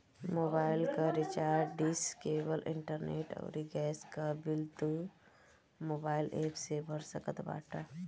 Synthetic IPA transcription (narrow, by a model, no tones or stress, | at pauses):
moːbaːɪlkaɾɪt͡ʃaːɾɖɪskeːwəlʔɪ̰ɳʈəɾneːʈɔ̰ːɾiɡɛːskabɪlt̪u | moːbaːɪlʔeːpsebʱəɾsəkət̪ba̰ːʈʰaː